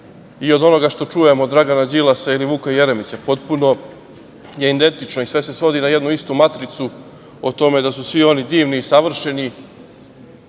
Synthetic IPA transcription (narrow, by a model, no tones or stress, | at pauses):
io̞d̪o̞no̞ɡaʃt̪o̞t͡ʂuje̞mod̪ɾaɡanad͡ʑilasailiʋuːkoje̞ɾemit͡sapo̞t̪puno̞ | je̞ind̪e̞nt̪it͡ʃno̞isʋe̞se̞sʋo̞d̪inaje̞d̪nuist̪umat̪ɾit̪su | ot̪o̞me̞d̪asusʋio̞nid̪iːʋniːsaʋr̩ʃe̞ni